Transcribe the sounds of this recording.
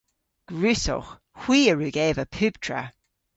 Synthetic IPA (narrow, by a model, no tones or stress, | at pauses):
ɡ̥ɹʉːsɔ̰x | hw̥iːəɹʉːɡeːvəpʰʉːb̥tʰɹə̰